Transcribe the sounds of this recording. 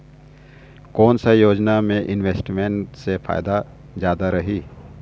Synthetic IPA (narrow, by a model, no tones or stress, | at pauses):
kɔːnsajoːd͡ʒnamẽʔɪnweːsʈmẽɳʈsepʰa̰ːjd̪a | zjaːd̪aɾɐɦiː